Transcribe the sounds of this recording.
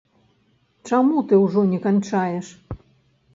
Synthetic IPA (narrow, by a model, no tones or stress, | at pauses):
t͡ʂamut̪ɨwʐɔnʲɛkant͡ʂajɛʂ